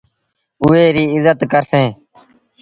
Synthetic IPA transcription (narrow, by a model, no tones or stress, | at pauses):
ʊeːɾiːɪzət̪kəɾsẽː